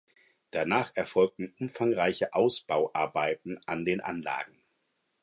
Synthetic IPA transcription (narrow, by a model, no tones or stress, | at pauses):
d̥anaːχɛɐfɔlk̚tn̩ʔʊmfaŋʁaɪçəʔaʊsb̥aʊʔaɐbaɪtn̩ʔandeːnʔa̰nla̰ːɡŋ̩